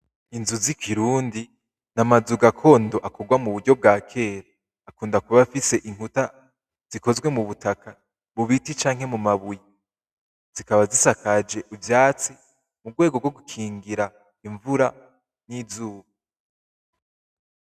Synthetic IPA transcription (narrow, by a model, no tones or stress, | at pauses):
inzuzikʰiɾuːndi | namazuɡakʰo̞ːndo̞ʔako̞ɡwamuβudɟo̞b̚ɡaːkʰe̞ːɾaː | kuːndakuβafise̞ʔiŋ̥huta | z̥iko̞zɡwe̞muβutakʰa | βuβitit͡ʃaːŋɦe̞mumaβuji | z̥ikaβazisakad͡ʒe̞ʔuvjaːt͡si | muɡwe̞ːɡoɡwoɡukʰiːŋɡiɾa | iɱvuɾa | nizuːβa